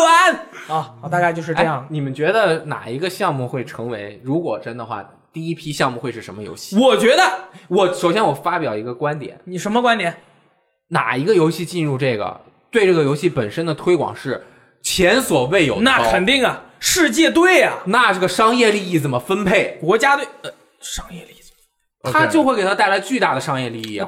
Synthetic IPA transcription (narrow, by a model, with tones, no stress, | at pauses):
a˧˥nɔ˥˩˧t̪a˥˧ka˥˧t͡ɕjo˥˧ʊʂɻ̩˥˧ʈ͡ʂɤ˧jɑ˥˩ŋni˨˩mə˦nt͡ɕɥɛ˧˥d̪ə˧na̰˨˩i˧˥ɡə˧ɕjɑ˥˧ŋmu˥˧xwe˥˩ɪʈ͡ʂʰɤ˧˥ŋwe˧˥ɪɻu˧˥kwɔ˨˩ʈ͡ʂə˥nd̪ə˨xwa̰˥˩ | t̪i˥˩i˥pʰi˥ɕjɑ˥˧ŋmu˥˧xwe˥˧ɪʂɻ̩˥˩ʂə˧˥mə˧jo̰˧˥ʊɕi˥˩wɔ˨˩t͡ɕɥɛ˧˥d̪ə˧wɔ˨˩ʂo˨˩ʊɕjɛ˥nwɔ˨˩fa˥pjɑ˨˩ʊi˧˥ɡə˧kwa˥nt̪jɛ̰˨˩˦nni˨˩ʂə˧˥nmə˧kwa˥nt̪jɛ˨˧˩n | na̰˨˩i˧˥ɡə˧jo˧˥ʊɕi˥˧t͡ɕi˥˧nɻu˥˧ʈ͡ʂɤ˥˩ɡə̰˩ | t̪we˥˧ɪʈ͡ʂɤ˥˩ɡə˩jo˧˥ʊɕi˥˩pə˨˩nʂə˥nd̪ə˨t̪ʰwe˥ɪkwɑ̰˨˩ŋʂɻ̩˥˩ | t͡ɕʰjɛ˧˥nswɔ˨˩we˥˩ɪjo˨˩ʊna˥˩˥kʰə˨˩nt̪i˥˩ŋɐ˨˩ʂɻ̩˥˧t͡ɕjɛ˥˧t̪̬we˥˩ɪɐ˩na˥˧ʈ͡ʂɤ˥˩ɡə˩ʂɑ˥ŋjɛ˥˧li˥˧i˥˩t͡sə˨˩mə˦fə˥npʰe˥˩ɪkwɔ˧˥t͡ɕja˥t̪we˥˩ɪ˧˩ | ʂɑ˥ŋjɛ˥˧li˥˩ | tʰa˥t͡ɕjo˥˧ʊxwe˩ɪke˨˩t̪ʰa˥t̪ɪla˧˥ɪt͡ɕy˥˧t̪a˥˩d̪ə˩ʂɑ˥ŋjɛ˥˧li˥˧i˥˩j